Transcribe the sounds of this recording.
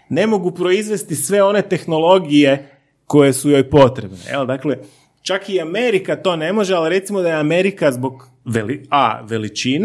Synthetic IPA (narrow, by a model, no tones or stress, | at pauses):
ne̞mo̞ɡupɾo̞izʋe̞st̪isʋe̞o̞ne̞t̪e̞xno̞lˠo̞ɡije̞ | ko̞je̞sujo̞jpo̞t̪ɾebnḛjḛld̪akle̞ | t͡ʃakiame̞ɾikat̪o̞ne̞mo̞ʒealɾe̞t̪simod̪ajeame̞ɾikazbo̞ɡ | ʋelia̰ʋe̞lit͡ʃin